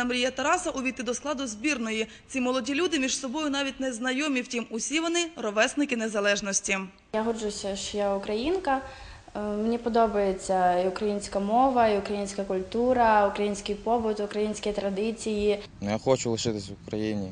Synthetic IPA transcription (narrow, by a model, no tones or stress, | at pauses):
ɐmɾʲijɐt̪ɐɾɑsɐʔʊʋʲit̪ɪd̪ɔsklˠɑd̪ʊzʲbʲirnɔji | t͡sʲimɔlˠɔdʲilʲud̪ɪmʲiʒsɔbɔjʊnɑʋʲit̚ʲnɛznɐjɔmʲiwtʲimʊsʲiʋɔnɪrɔʋɛsnɪkɪnezɐlˠɛʒnɔsʲtʲi | jaɦɔrd͡ʒʊsʲɐʃt͡ʃjaʊkɾɐjinkɐ | menʲipɔd̪ɔbɐjet͡sʲːɐiʊkɾɐjinʲsʲkɐmɔʋɐiʊkɾɐjinʲsʲkɐkʊlʲt̪uɾɐʊkɾɐjinʲsʲkɪjpɔbʊt̪ʊkɾɐjinʲsʲkʲɪjt̪ɾɐd̪ɪt͡sʲijinjaxɔt͡ʃʊlˠɪʃɪt̪ɪsʲwʊkɾɐjinʲi